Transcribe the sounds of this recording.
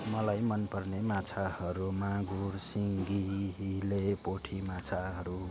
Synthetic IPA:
mʌlajmʌnpʌrnemat͡sʰahʌɾumaɡursiŋɡilepoʈʰimat͡sʰaɦʌɾu

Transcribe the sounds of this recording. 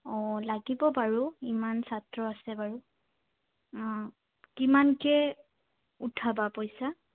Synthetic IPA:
ɔlaɡibɔpaɹuimansatɹɔasɛbaɹʊ | kimankɛ | utʰabapojsa

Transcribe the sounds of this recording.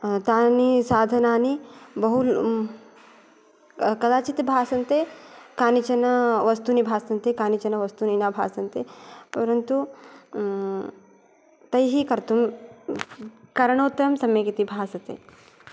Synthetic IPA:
t̪aːnisaːd̪ʱɐnaːnibɐɦu | kɐd̪aːt͡ʃit̪bʱaːsɐnt̪ekaːnit͡ʃɐnɐʋɐst̪unibʱaːsɐnt̪ekaːnit͡ʃɐnɐʋɐst̪uninaːbʱa̰ːsɐnt̪epɐɾɐnt̪u | t̪ɐjɦikɐɾt̪um | kɐɾɐɳoːt̪ɐmsɐmɐjkit̪ibʱaːsɐt̪ḛː

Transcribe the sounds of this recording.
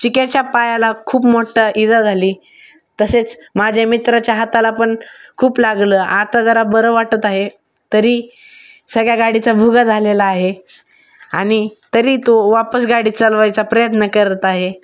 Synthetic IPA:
t͡ɕikat͡ɕjapajalakʰuːpmoʈʰəʔid͡zəd͡zʱaliː | t̪əset͡smad͡ʑʱjamit̪ɾat͡ɕjaɦat̪alapəɳkʰuːplaɡləːʔat̪ad͡zəɾabəɾəʋaʈət̪aɦe | t̪əɾiː | səɡɭjaɡaɽit͡sabʱuɡad͡zʱalelaːɦe | aɽ̃it̪əɾiːt̪oʋapəsɡaɽiːt͡səlʋajt͡sapɾəjət̪nəkəɾət̪aɦe

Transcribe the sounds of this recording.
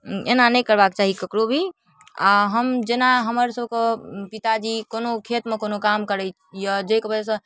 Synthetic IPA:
ḛnanəjkəɾbakt͡ʃaɦikəkɾobʱi | a̰ɦəmd͡ʒenaɦəməɾsəbʱkepit̪ad͡ʒikonokʰet̪mekonokamkəɾət͡ʃjəd͡ʒəikebəd͡ʒesə̃

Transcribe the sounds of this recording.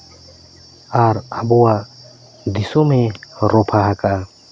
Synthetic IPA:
aːɾəbuwa | d̪ɪsomẽɾoːpʰaɦɐka

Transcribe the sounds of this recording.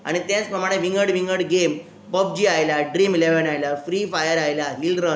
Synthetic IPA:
a̰ɽ̃it̪jãt͡spɾəmaɽ̃eʋiŋɡəɽʋiŋɡəɽɡem | bəb̚d͡ʑiːajlaɖɾiːmleʋənajlafɾifajəɾajlaɦilɾə

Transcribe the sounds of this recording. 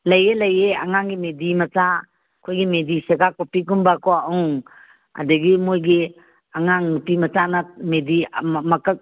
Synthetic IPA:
lɐjelɐjeaŋaŋɡimedimɐta | kʰojɡimedisekakopikumbakoauŋ | a̰dɯɡimojɡi | aŋaŋnupimɐtanamedimɐkək̚

